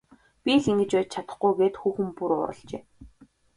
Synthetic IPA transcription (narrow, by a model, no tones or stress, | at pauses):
pʲiɮiŋɡɘ̆t͡ɕpæːt͡ɕt͡ɕʰat̪ə̆χɡujɡeːt̪xuːxɘ̆mpuɾʊ̰ːɾə̰̆ɬɮt͡ɕeː